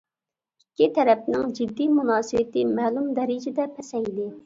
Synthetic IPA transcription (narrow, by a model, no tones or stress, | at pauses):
ikʲːit̪ʰɛɾɛp̚nɪŋd͡ʒɪd̪ːimunɑːsɨwɪt̪ɪmæːlumd̪ɛɾɪd͡ʒɪd̪ɛpʰɛsɛjd̪ɪ